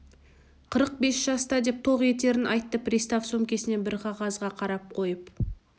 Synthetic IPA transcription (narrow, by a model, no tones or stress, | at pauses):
qʰəɾəq̚be̞sʒ̥ɑst̪ɑd̪e̞p̚t̪ʰo̞ʁe̞t̪e̞ɾɪnʔɑjt̪ːəpɾʲist̪afso̞mkʲe̞sɪne̞bɪɾqʰɑʁɑzʁɑqʰɑɾɑp̚qʰo̞jəp